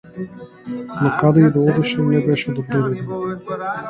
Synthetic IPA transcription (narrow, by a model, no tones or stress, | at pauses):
nakad̪ɛid̪ɔɔd̪ɛʃɛnɛbɛʃɛd̪obɾɔvɛd̪in